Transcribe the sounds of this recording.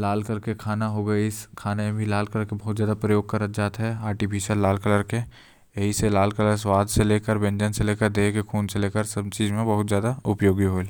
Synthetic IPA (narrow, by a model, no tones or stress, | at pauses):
laːlkəɾkekʰaːnaɦoɡɐeɪskʰaːnemẽbʱilaːlkələɾkebɐɦʊt̪zjaːd̪apɾəjoːɡ̚kɐɾət̪d͡ʒaːt̪ɦɛaːɾʈipiːʃəɾlaːlkələɾke | jɐɦiselaːlkələɾswaːd̪ʱseleːkəɾbẽɲd͡ʒənseleːkəɾd̪eːkexʰuːnseleːkəɾsɐbt͡ʃiːzmẽbɐɦʊt̪zjaːd̪aʊpjoːɡiɦoːel